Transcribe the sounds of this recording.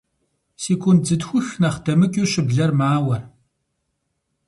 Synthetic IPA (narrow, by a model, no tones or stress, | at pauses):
siːkʷʰʊnd͡zɨdxʷʊxnɐχdɐmɨkʲʼiɕɪbɮɐrmaːwɐr